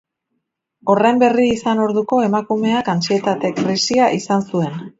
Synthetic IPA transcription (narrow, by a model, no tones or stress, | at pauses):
o̞rejmbe̞riːsano̞ɾðuko̞e̞makume̞akant͡ʃie̞t̪at̪e̞kɾisiaʔisansue̞n